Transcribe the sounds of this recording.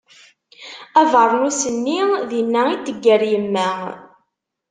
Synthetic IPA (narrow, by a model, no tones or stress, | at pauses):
ævəɾˤnusənːiðinːæit̪ːəɡːəɾjəmːæ